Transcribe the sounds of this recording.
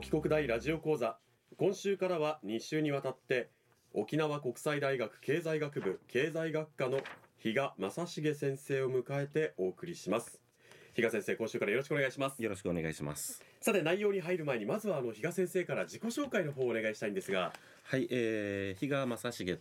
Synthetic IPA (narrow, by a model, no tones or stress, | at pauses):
kʲi̥ko̞kɯ̟d̪aiɾaʑio̞ko̞ːza | kõ̞ɰ̃ɕɨːkaɾaβaɲ̟iɕɨːɲ̟iβat̪at̪ːe̞ | o̞kʲinaβako̞kɯ̟̥said̪aiɡakɯ̟̥ke̞ːzaiɡakɯ̟bɯ̟kʰe̞ːzaiɡakːano̞çiɡamasaɕiɡe̞s̬ẽ̞ɰ̃se̞ːo̞mɯ̟kae̞t̪e̞o̞ːkɯ̟ɾʲiɕimasɨ̥ | çiɡasẽ̞ɰ̃se̞ːkõ̞ɕɨːkaɾajo̞ɾoɕikɯoneaiɕimasɨ̥joɾoɕi̥kɯoneɡaiɕima̰sɨ̥ | sat̪e̞naijo̞ːɲ̟iɦaiɾɯ̟mae̞ɲ̟imazɨβaːno̞çiɡasẽ̞ɰ̃se̞ːkaɾad͡ʑiko̞ɕo̞ːkaino̞ɦo̞ːne̞ɡaiɕi̥t̪aĩnd̪e̞sɨɡa̰ | haiʔeːçiɡamasaɕiɡe̞